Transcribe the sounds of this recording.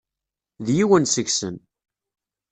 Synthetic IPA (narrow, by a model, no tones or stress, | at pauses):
ðjiwənsəçsə̰n